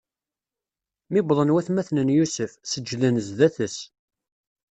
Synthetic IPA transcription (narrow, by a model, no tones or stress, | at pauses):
mɪbðˤənwæθmæθnənjusəfsəd͡ʒːðænəzðæθəs